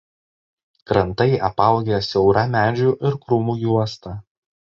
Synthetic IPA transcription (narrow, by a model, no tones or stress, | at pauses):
kɾɐnt̪ɐɪʔɐpɐˑʊɡʲejsʲɛʊɾɑmʲæːd͡ʒʲuʔɪɾkɾʊmuːjuɔst̪ɑ